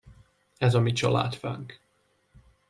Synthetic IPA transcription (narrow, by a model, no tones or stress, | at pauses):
ɛzɒmit͡ʃɒ̰la̰ːt̪fa̰ːŋk